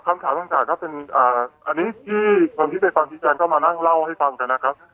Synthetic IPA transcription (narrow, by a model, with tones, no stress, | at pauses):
kʰa˧mt̪ʰaː˨˩˦ma˧ŋt͡ɕaː˨˩kːɔː˥˩pe˧nʔaː˨˩ʔa˧nːiː˦˥t̪ʰiː˥˩kʰo˧nt̪ʰiː˥˩pe˧nkʰwaː˧mt͡ɕʰi˦˥t͡ɕɛː˧ŋkɔː˥˩maː˧na˥˩ŋla˥˩wha˥˩jfa˧ŋka˧nːa˦˥kʰa˦˥p̚